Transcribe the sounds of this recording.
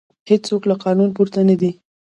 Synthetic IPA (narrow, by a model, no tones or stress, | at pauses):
hed͡ʒt͡soklaqɑnunpuɾt̪anad̪i